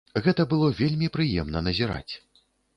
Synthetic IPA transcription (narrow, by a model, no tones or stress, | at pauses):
ɣɛt̪ɐbɨlˠɔvʲelʲmʲipɾɨjɛmnɐnɐzʲiɾa̰t͡sʲ